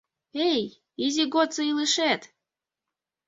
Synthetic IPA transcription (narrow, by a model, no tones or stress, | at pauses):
ej | izʲiɡot̪t͡sɤilɨʃet̪